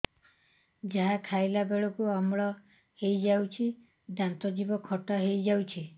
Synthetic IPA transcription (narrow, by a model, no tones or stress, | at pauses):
d͡ʒaɦakʰajlabeɭɔkuamɭɔ | hejd͡ʒawt͡ʃʰi | d̪ant̪ɔd͡ʒibɔkʰɔʈaɦejd͡ʒawt͡ʃʰi